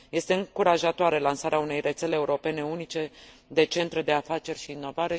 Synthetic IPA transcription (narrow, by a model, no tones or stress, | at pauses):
je̞st̪e̞ɨŋkuɾaʒat̪oaɾe̞lansaɾeaune̞jrʔe̞t̪se̞le̞ːuɾo̞pe̞ne̞unit͡ʃe̞ | d̪e̞t͡ʃe̞nt̪ɾed̪e̞afat͡ʃe̞rʃiːnːo̞vaɾe̞